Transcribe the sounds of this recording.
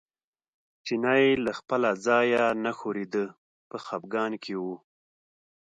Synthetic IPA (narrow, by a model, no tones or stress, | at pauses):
t͡ʃinajlaxpəlazɑjanaxoɾed̪ə | pəxab̚ɡɑnkʰewu